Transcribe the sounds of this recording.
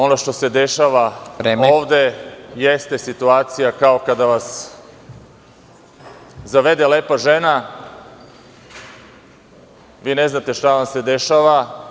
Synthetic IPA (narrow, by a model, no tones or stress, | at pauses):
o̞noʃt̪o̞se̞d̪eʃaʋaɾeːmoːʋd̪e̞jest̪esit̪uaːt̪sijakao̞kad̪aʋas | zaʋe̞d̪e̞leːpaʒe̞na | ʋiːne̞znat̪e̞ʃt̪aʋamsed̪e̞ʃaːʋa